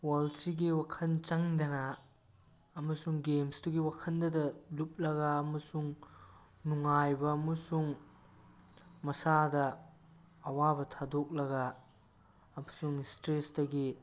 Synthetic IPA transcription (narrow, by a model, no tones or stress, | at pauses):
walt͡ʃiɡiwakʰɐnt͡ʃɐŋdɐnɐ | ɐmɐsuŋɡemstuɡiwakʰɐndɐdɐlup̚lɐɡɐːmɐsuŋ | nuŋajbɐɐmɐsuŋ | mɐsadɐː | wabɐtʰadok̚lɐɡɐː | mɐsuŋstɾesdɐɡi